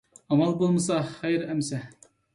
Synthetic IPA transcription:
ɑmɑlˠbolˠmɨsɑχæjɾæmsæ

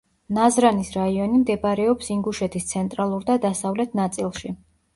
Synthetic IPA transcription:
nazɾanisɾaiɔnimd̪ɛbaɾɛɔpsiŋɡuʃɛt̪ʰist̪sʰɛnt̪ʼɾalˠuɾd̪ad̪asavlɛt̪ʰnat̪sʼilˠʃi

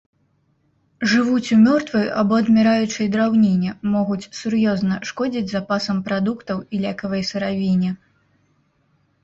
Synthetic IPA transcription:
ʐɨvut͡sʲumʲɔrt̪vɐja̰bɔɐd̪mʲɛɾajut͡ʂɐjd̪ɾawnʲenʲɛmɔɣut͡sʲsurjɔznɐʂkɔd͡zʲid͡zʲzapasɐmpɾad̪ukt̪ɐwilʲakɐvɐjsɐɾavʲinʲɛ

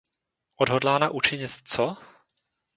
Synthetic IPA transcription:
ʔodɦodlaːnaʔut͡ʃɪɲɪt̪t͡so

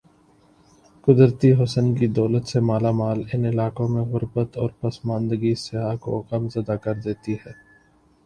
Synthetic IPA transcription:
kʊd̪ɾt̪iɦʊsənkid̪ɔːlət̪semaːlamaːlɪnɪlaːkõmẽɣʊɾbət̪ɔːɾpɐsmãːnd̪əɡisɪaːko̰kəmzɐd̪akɐɾd̪eːt̪iɦɛː

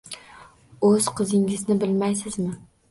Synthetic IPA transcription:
ɵz̥qʰɨzɪŋɪznɪbɪlmajsɪzmɪ

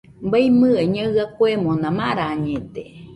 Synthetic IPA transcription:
mbajmɨ̃eɲãɣakoemõnãmãɾaːɲẽt̪e

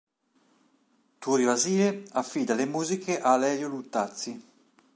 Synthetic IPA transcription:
t̪uɾjaziːeafːiːd̪alemuːzikʰeʔalɛɾjolut̪ːat̪si

